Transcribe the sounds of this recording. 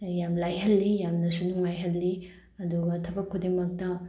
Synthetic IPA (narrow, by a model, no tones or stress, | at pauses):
jamlajɦɐlːijamnɐsunuŋmajɦɐlːi | ɐduɡɐtʰɐbɐkʰːudemɐk̚tɐ